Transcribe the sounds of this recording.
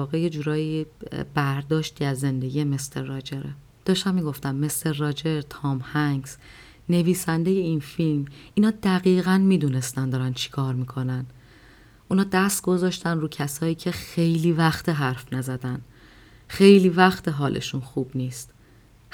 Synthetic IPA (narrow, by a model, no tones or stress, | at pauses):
ɒːɣeje̞d͡ʒuːɾɒːjibæɾd̪ɒːʃt̪iːæzːe̞nd̪e̞ɡʲiːjemest̪eɾːɒːd͡ʒeɾe | d̪̥ɒːʃt̪æmːiːɡo̞ft̪æmːe̞st̪eɾːɒːd͡ʒe̞ɾt̪ʰɒːmhæŋɡs | ne̞viːsænd̪e̞je̞iːnfilmʔiːnɒːd̪æɣiːɣænmiːd̪uːne̞st̪ænd̪ɒːɾænt͡ʃʰi̥kʰɒːɾmiːkʰo̞næn | ʔuːnɒːd̪æst̪̚ɡo̞zɒːʃt̪ænruːcʰæsɒːjiːcʰe̞xe̞jliːvæxt̪ʰeɦæɾfnæzæd̪æn | xejliːvæxt̪ʰeɦɒːlʔḛʃunxuːb̥niːst̪